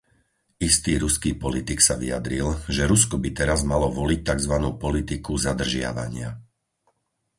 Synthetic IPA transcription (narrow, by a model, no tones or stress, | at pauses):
ist̪iːɾuskiːpɔlit̪iksaʋḭjad̪ɾilʒɛɾuskɔbit̪ɛɾazmalɔʋɔlic̚t̪aɡzʋanuːpɔlit̪ikuzad̪r̩ʒɪa̰ʋa̰ɲɪa̰